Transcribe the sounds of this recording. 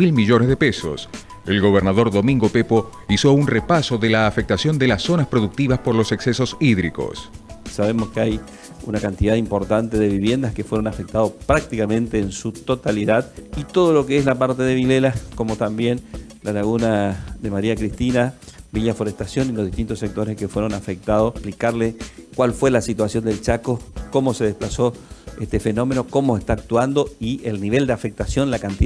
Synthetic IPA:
ilmiʒonezðepeso̰s | elɣo̞β̞eɾnaðo̞ɾðo̞mĩŋɡopepo | iso̞unrepasoðelaːfek̚t̪asjo̞nd̪elasːo̞naspɾoðuk̚t̪iβaspoɾlo̞sekseso̞siðɾiko̰ssaβemo̞skeaj | ṵnakant̪iðaðimpo̞ɾt̪ant̪eðeβiβje̞nd̪askefweɾonafek̚t̪aðospɾak̚t̪ikamẽ̞nt̪eːnsut̪o̞t̪aliðaðit̪oð̞o̞lo̞keeslapaɾt̪eðeβilelako̞mo̞t̪ambje̞n | lalaɣunaðemaɾiakɾist̪inabiʎafoɾest̪asjo̞nilozðiht̪int̪osːek̚t̪o̞ɾeskefwe̞ɾo̞nafek̚t̪aðoplikaɾlekwalfwe̞lasit̪wasjo̞nd̪e̞lt͡ʃakoko̞mo̞seðehplaso̞est̪e̞fe̞no̞me̞no̞ko̞moest̪aːk̚t̪wand̪o̞ielniβ̞e̞ld̪eafe̞k̚t̪asjo̞nlakant̪i

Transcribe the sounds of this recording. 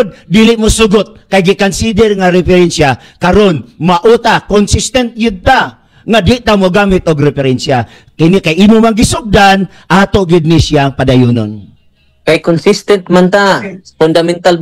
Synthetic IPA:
d̪̚d̪iːlɪʔmosʊɡʊt̪̚kajɡɪkonsid̪ɛɾŋaɾɛfɛɾɛnsja | kaɾonmaʔut̪akonsɪst̪ɛnt̪̚jɪd̪̚t̪a | ŋad̪ɪʔt̪amoɡamɪt̪̚oɡɾɛpɛɾɛnsja | kɪnɪkajʔiːmomaŋɡɪsʊk̚d̪an | ʔat̪oɡɪd̪̚nɪsɪaŋpad̪ajuːno̰n | kajkonsist̪ɛnt̪̚mant̪apʊnd̪amɛnt̪al

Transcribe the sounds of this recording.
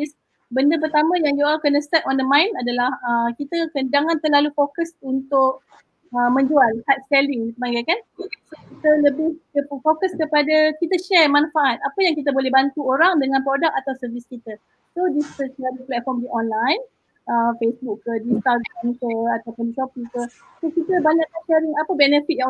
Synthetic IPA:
is | bəndəp̬ərt̪amãjaŋjoakənəst̪ɛp̚ɔndəmãɪnadalahəkit̪əkənd͡ʒaŋãnt̪əlalufokəsunt̪ʊʔ̚ | əmə̃ɲd͡ʒualhat̪̚sə̥kaliikəbaŋɡajkansokit̪ələbɪhdəfokəskəpadakit̪əʃɛrmanafaʔat̪̚apəjaŋkit̪̬əbolɛhbant̪uoɾaŋdəŋãnpɾodak̚at̪awsərviskit̪ə | sodiət͡ʃladiplɛt̪̚fɔrmdiʔɔnlajn | əfesbukːədist̪aɡɾamkəat̪awpʊndiʃɔpikə | sokit̪əbaɲaʔlaʃɛɾɪŋapəbɛnəfit̪̚jaŋ

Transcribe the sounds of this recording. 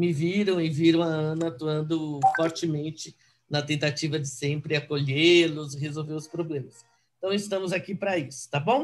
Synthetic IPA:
mɪviɾɐ̃w̃ɪviɾɐ̃w̃aɐ̃nɐat̪uɐ̃nd̪ʊfɔɾt͡ʃɪmẽnt͡ʃɪ | nɐt̪ẽnt̪at͡ʃivɐd͡ʒɪsẽmpɾɪakoʎelʊsɦezowveɾʊspɾoblẽmɐs | ẽt̪ɐ̃w̃ɪst̪ɐ̃mʊzakipɾɐisʊ̥t̪abõw̃

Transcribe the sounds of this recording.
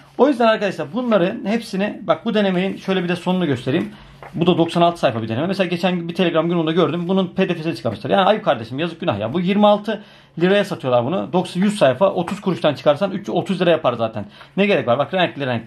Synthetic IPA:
o̞jyzd̪ænaɾkad̪aʃlˠæɾbunlˠaɾɯhepsinibak̚bud̪e̞ne̞mejinʃø̞jlʲebid̪ɛso̞nunuɟø̞st̪ʰe̞ɾijim | bud̪ad̪o̞ksanalˠt̪ʰɯ̥sajfabid̪enememeselaɟet͡ʃʰænbit̪ʰe̞lʲe̞ɡɾamɟynbund̪aɟøɾd̪ymbununpʰeːd̪efesinit͡ʃʰɯ̥kʰamɯʃt̪ˠaɾjaːniajkʰaɾd̪e̞ʃimjazɯk̚ɟyna̰hja̰bujiɾmialˠt̪ʰɯ | lʲiɾajasat̪ʰɯjolˠaɾbunṵd̪o̞ksjyzsajfaʔo̞t̪ʰuz̥kʰuɾuʃt̪ʰant͡ʃʰɯ̥kʰaɾsanyt͡ʃːyo̞t̪uzlʲiɾajapaɾzaːt̪ʰænːɛɟe̞ɾɛcʲvaɾbakɾenʲɛclʲiɾeɛnɛ

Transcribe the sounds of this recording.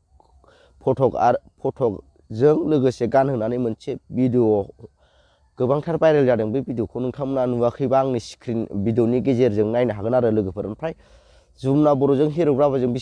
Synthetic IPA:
pʰɔtʰɔka̰ɾpʰɔtʰɔk̚ | zɯŋlɯɡɯseɡanhɯnanɯjmɯnsebideo | ɡ̥ɯbaŋtʰaɾpajɾeljadɯŋbɯbidiokʰonuŋtʰamnanuwakʰɯjbaŋnisi̥kʰɾinbidoniɡezeɾzɯŋnajnaɦaɡɯnaɾɯlɯɡɯpʰɯɾɯmpʰɾaj | zumnabɔɾɔzɯŋɦeɾɔɡɾabazɯŋbi

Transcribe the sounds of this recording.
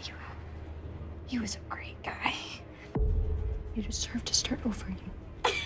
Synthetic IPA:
j | hiwʌzɨɡ̥ɹeɪt̚ɡ̥aɪ | ɨɾɨd̥sɜ˞vtʰɨ̥stɑɹɾoʊvə˞ji

